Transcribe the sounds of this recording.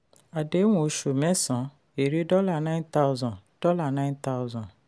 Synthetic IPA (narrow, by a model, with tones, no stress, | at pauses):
a˨de˨˦w̃ũ˨o˧ʃo˨mɛ̃˦sɔ̃˨˦ | e˨ɾe˦dɔ˦la˦˨nã˦nta˦ʊzɔ̃˨d̥ɔ˦la˦˨nã˦ɪ̃˦nt̪a˦ʊzɔ̃˨